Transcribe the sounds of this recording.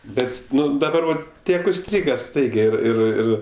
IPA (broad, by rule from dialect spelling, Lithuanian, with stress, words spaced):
ˈbʲɛt ˈnʊ dɐˈbɐr ʋɐt ˈtʲiɛk ʊʃʲˈsʲtʲrʲiːɡɐ ˈstɐɪɡʲɛɪ ˈɪr ˈɪr ˈɪr